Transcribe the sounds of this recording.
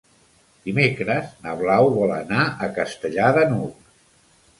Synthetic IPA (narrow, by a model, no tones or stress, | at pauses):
d̪̥imekɾəznəβlawβɔlənaəkəst̪əʎaðənuk